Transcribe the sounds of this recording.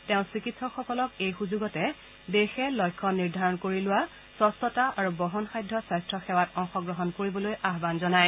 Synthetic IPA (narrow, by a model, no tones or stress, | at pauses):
tɛʊ̃sɹikitsɔxɔkɔlɔkejxuzuɡɔtɛ | dexɛlɔjkʰːɔniɹdʱaɹɔnkoɹilʊwa | sɔstɔtaʔaɹubɔɦɔnxajdʱːɔsajstɹɔxɛwatɔŋxɔɡɹɔɦɔnkoɹibɔlojaɦbanzɔnaj